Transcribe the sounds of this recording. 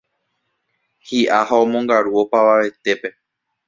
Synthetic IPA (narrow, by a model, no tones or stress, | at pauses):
hiʔahaõmõŋɡaɾuo̞paʋaʋe̞t̪e̞pe̞